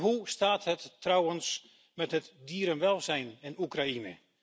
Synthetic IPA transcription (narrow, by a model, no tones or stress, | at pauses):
ɦustaːthətːrawəns | mɛtɦətdiːɾənʋɛlˠzɛjnɪnukrainə̰